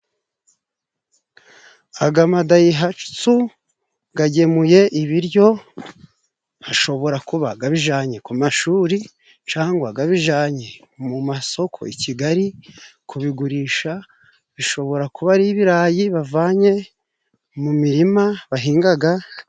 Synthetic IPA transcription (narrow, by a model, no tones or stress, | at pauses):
aɡamadajiɦat͡ʃu̥t͡su | ɡaɟe̞muje̞ʔiβiɾjo̞ | haʃo̞βo̞ɾakuβaɡaβiʒaːɲe̞kumaʃuːɾi | t͡ʃaːŋɡwaɡaβiʒaːɲe̞ | mumaso̞kʰo̞̰iciɡaɾikʰuβiɡuɾiːʃa | βiʃo̞βo̞ɾakuβaɾiːβiɾaːjiβavaːɲe̞ | mumiɾimaβaɦiːŋɡaɡa